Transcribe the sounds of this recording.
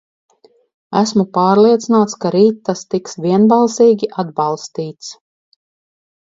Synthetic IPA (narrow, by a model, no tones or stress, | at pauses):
æsmupɑːɾlˠiɛt̪sinaːt̪skaɾiːt̪ːast̪iksvʲiɛnbɑlˠsiːɡʲiʔad̪bɑlˠst̪iːt̪s